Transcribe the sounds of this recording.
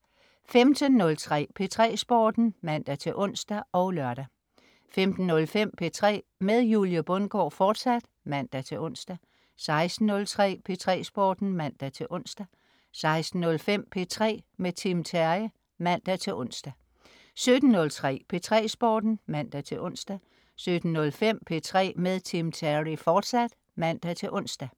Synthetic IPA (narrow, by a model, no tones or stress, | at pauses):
femd̥ənːɔ̽lt͡sʰʁɛ̰ːpʰe̝t͡sʰʁɛ̰ːsb̥ɒ̰ːd̥n̩mæn̰d̥æt͡sʰe̝ʔɔ̽n̰sd̥æɒ̽ʊlɶɐɾ̥æ | femd̥n̩ːɔ̽lfem̰pʰe̝t͡sʰʁɛ̰ːmeðˠjuljəb̥ɔ̽nɡ̥ɒ̰ːfɒːd̥sæd̥ | mæn̰d̥æt͡sʰe̝ɔ̽n̰sd̥æ | sɑ̈ɪsd̥n̩ːɔ̽lt͡sʰʁɛ̰ːpʰe̝t͡sʰʁɛ̰ːsb̥ɒ̰ːd̥n̩mæn̰d̥æt͡sʰe̝ʔɔ̽n̰sd̥æ | sɑ̈ɪsd̥n̩ːɔ̽lfem̰pʰe̝t͡sʰʁɛ̰ːmet͡sʰimt͡sʰæi | mæn̰d̥æt͡sʰe̝lʔɔ̽n̰sd̥æ | sød̥n̩ːɔ̽lt͡sʰʁɛ̰ːpʰe̝t͡sʰʁɛ̰ːsb̥ɒːd̥n̩mæn̰d̥æt͡sʰe̝ʔɔ̽n̰sd̥æ | sød̥n̩ːɔ̽lfem̰pʰe̝t͡sʰʁɛ̰ːmeðˠt͡sʰimt͡sʰæʁifɒːd̥sæd̥ | mæn̰d̥æt͡sʰe̝lʔɔ̽n̰sd̥æ